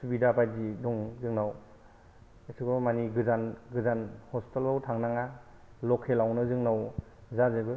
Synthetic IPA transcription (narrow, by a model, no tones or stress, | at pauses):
subidapʰajdidɔŋzɯŋnaw | esʰuɡɔmaniɡɯzanɡɯzanhɔstelawtʰaŋnaŋalɔkʰelawnɯzɯŋnawzazebɯ